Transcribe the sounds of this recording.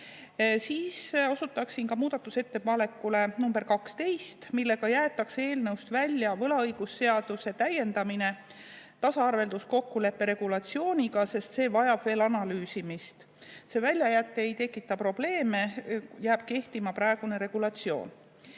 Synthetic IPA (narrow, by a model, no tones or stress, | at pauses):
siːso̞sut̪ːˑɑksinkɑmuːd̪̥ɑt̪ːˑuse̞t̪ːe̞pɑle̞kːˑule̞numberkɑkst̪e̞jst̪milːe̞ɡ̥ɑjæːet̪ːˑɑkse̞ːlnɤwst̪vælʲːjɑvɤlɑɤjɡ̥usːe̞ɑd̪̥use̞t̪æje̞nd̪ɑmine̞ | t̪ɑsɑɑrve̞ld̪usko̞kːule̞pːe̞ɾe̞ɡ̥ulɑt̪sio̞ːnʲiɡɑse̞st̪se̞ːvɑjɑb̥ve̞ːlɑnɑlyːsimist̪ | se̞vælʲjɑjæt̪ːeejt̪e̞kːˑit̪ːˑɑpro̞b̥le̞ːme̞jæːb̥̚ke̞ht̪imɑprɑe̞ɡ̥une̞ɾe̞ɡ̥ulɑt̪sio̞̰ːn